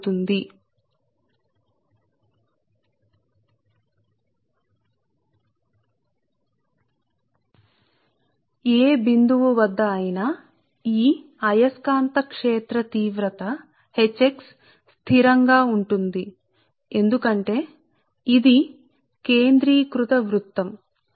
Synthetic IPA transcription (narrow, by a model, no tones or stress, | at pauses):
t̪und̪i | eːbind̪uʋuʋɐd̪ːɐːjina | iː | ɐjɐskaːnt̪ɐkʂeːt̪ɾɐt̪iːʋɾɐt̪ɐ | het͡ʃːeks | st̪ʰiɾɐŋɡaːuɳʈund̪i | e̞nd̪ukɐɳʈe̞ː | id̪i | ke̞ːnd̪ɾiːkɾut̪ɐʋɾut̪ːɐm